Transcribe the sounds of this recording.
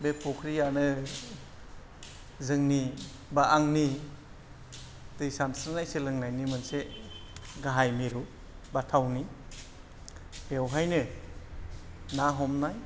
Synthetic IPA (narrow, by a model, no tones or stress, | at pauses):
bepʰɔkʰɾijanɯ | zɯŋni | baʔaŋni | d̥ɯjsansɯnajselɯŋnajnimɯnse | ɡaɦajmiɾu | batʰawni | bewɦajnɯ | naɦɔmnaj